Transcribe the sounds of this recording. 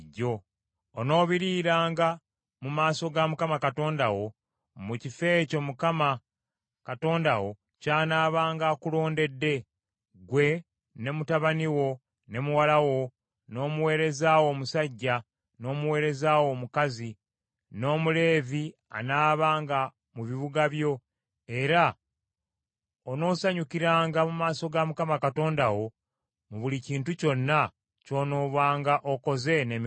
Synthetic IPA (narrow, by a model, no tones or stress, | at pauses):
ɟːo̞ː | no̞ːβiɾiːɾaːŋɡa | mumaːso̞ɡamukamakato̞ːndawo̞ | mucife̞ːco̞mukama | kato̞ːndawo̞ | caːnaːβaːŋɡaːkulo̞ːnde̞dːe̞ | ɡwe̞ | ne̞mutaβaniwo̞ | ne̞muwalawo̞ | no̞ːmuwe̞ːɾe̞zaːwo̞ːmusaɟːa | no̞ːmuwe̞ːɾe̞zawo̞ːmukazi | no̞ːmule̞ːvia̰naːβaːŋɡa | muβiβuɡaβjo̞ | e̞ɾa | ono̞ːsaɲukiɾaːŋɡamumaːso̞ɡamukamakato̞ːndawo̞ | muβuliciːntuco̞nːa | co̞ːnoːβwaːŋɡaʔo̞ko̞ze̞ne̞mi